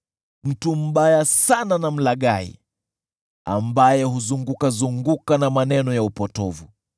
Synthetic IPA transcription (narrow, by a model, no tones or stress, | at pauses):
m̩tum̩ɓajasananam̩laɠaḭ | a̰mbajɛhuzuŋɡukazuŋɡukanamanɛnɔjaupɔtɔvu